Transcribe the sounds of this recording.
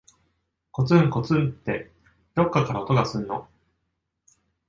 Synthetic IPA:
ko̞t͡sɨŋko̞t͡sɨt̪ːe̞ | d̪o̞kːakaɾao̞t̪o̞ɡasɨnːo̞̰

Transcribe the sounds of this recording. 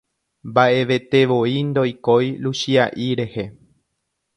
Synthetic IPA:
mbaʔe̞ʋe̞t̪e̞ʋoind̪o̞jkojluʃiaʔiɾe̞he̞

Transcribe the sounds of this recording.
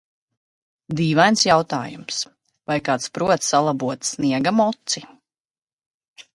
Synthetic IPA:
d̪iːvajnsjawt̪aːjums | vajkaːt̪spɾuɔt̪salˠabuɔt̪sniɛɡamɔt̪si

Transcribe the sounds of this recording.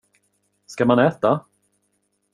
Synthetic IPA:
skamanɛːt̪a

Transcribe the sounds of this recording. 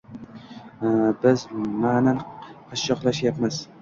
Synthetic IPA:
bɪzmananqʰɑʃːɒqlˠaʃjapmaz̥

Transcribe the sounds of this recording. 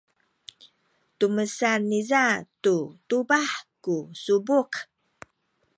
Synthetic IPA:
tuməsanːizatutubaħkusubuk

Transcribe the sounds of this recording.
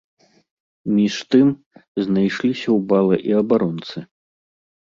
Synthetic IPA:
mʲiʂt̪ɨm | znajʂlʲisʲɐwbalˠɐʔiɐbaɾɔnt̪sɨ

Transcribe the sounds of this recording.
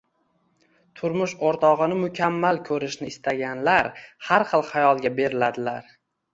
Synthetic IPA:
t̪ʰʊɾmʊʃoɾt̪ʰɒʁɨnɪmʊkʲʰamːalkʲʰɵɾɪʃnɪːst̪ʰaɡʲanlaɾhaɾχɨlˠχajɒlˠɡʲabe̞ɾɪlad̪ɪlaɾ

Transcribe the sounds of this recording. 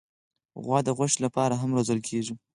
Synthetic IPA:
ɣwɑd̪əɣwaʃlapɑɾaɦamɾozəlkʰeʐi

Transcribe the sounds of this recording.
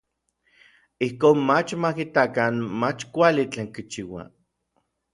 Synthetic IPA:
ihkoːnmat͡ʃmakit̪akanmat͡ʃkʷalit͡ɬeːŋkit͡ʃiwa̰

